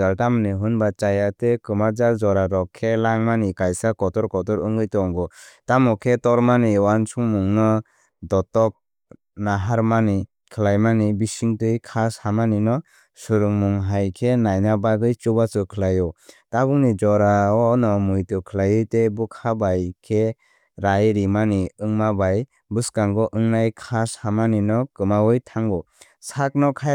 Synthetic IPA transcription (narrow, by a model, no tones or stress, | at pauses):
altamniɦɯnbat͡ʃajatekɯmad͡ʒald͡ʒɔɾaɾɔkʰːelaŋmanikajsakɔtɔɾkɔtɔɾɯŋɡɯjtɔŋɡɔtamɔkʰetɔɾmaniwansʰuŋmuŋnɔ | dɔtɔk̚ | naɦaɾmani | kʰɯlajmanibisiŋtɯjkʰashamaninɔ | suɾɯŋmuŋɦajkʰenajnabaɡɯjt͡ʃubat͡ʃɯkʰɯlajɔtabuŋnid͡ʒɔɾaɔnɔmujtɯkʰɯlajɯtebukʰabajkʰe | ɾajɾimaniɯŋmabaj | bɯskaŋɡɔʔɯŋnajkʰashamaninɔkɯmawɯjtʰaŋɡɔ | sak̚nɔkʰaj